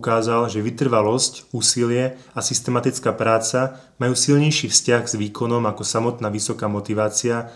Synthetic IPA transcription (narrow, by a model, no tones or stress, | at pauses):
kaːzalʒɛʋit̪r̩ʋalɔscuːsilɪɛasist̪ɛmat̪it͡skaːpɾaːt͡sa | majuːsilɲɛjʃiːfscaɣz̥ʋiːkɔnɔmakɔsamɔt̪naːʋisɔkaːmɔt̪iʋaːt͡sia